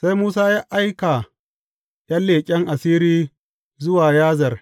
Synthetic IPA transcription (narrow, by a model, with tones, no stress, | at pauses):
sa˦jmuː˦s̬aː˦ja˦ʔa˦jka˨ | jɐ˦lːeː˨kʲʼɛ˦ŋʔa˨siː˦ɾiː˦ | zʊ˦waː˨jaː˦zɐ˨r